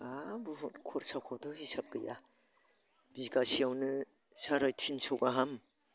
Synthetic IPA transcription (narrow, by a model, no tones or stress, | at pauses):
abuhɔtkʰɔɾsakʰɔdɔhisap̚ːɯja̰ | b̥iɡasiawnɯ | saɾajtʰinsɔɡaɦam